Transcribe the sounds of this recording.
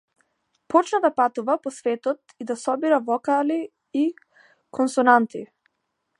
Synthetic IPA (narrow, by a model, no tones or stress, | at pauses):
pɔt͡ʃnad̪apat̪uvapɔsvɛt̪ɔt̪id̪asɔbiɾavɔkaliː | kʰɔnsɔnant̪i